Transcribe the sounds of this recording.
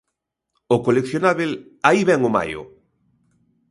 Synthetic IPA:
ʊkolekθjonaβelaiβɛŋoma̰jʊ̰

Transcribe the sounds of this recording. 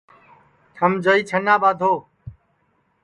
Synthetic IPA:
ʈʰəmd͡ʒəiːt͡ʃʰənaːɓaːd̪ʱoː

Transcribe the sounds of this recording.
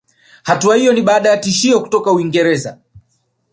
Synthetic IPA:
hatuahijɔniɓaːɗajatiʃiɔku̥tɔkauiŋɡɛɾɛza̰

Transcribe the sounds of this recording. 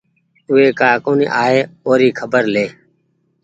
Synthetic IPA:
ʊʋeːkaːkoːnḭːʔaːeːoːɾiːkʰəbəɾleː

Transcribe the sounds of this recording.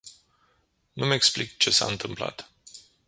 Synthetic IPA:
nume̞ksplikt͡ʃe̞sa̰ɨnt̪ɨmpla̰t̪

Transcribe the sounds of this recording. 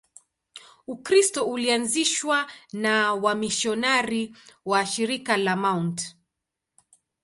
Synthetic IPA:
ukɾistɔulianziʃwanawamiʃɔnaɾiwaʃiɾikalamaunt

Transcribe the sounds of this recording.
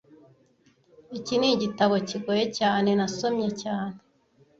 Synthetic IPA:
iciniɟitaβo̞ciɡojecaːne̞naso̞mje̞caːne

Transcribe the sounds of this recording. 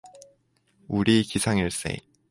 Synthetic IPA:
uɾikisʰaŋiɭs͈ḛ

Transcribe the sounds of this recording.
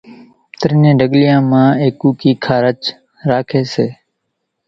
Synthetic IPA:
t̪əɾnẽːɖəɠlɪjãːmãːeːkːuːkiːkʰaːɾət͡ʃ | ɾaːkʰeːseː

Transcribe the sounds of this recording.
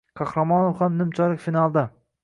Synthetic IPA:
qʰɑhɾamɒnovhamnɪmt͡ʃʰɒlɪkʲfinalˠd̪a

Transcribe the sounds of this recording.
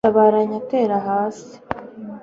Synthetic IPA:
aβaːɾaɲate̞ːɾaɦaːsi̥

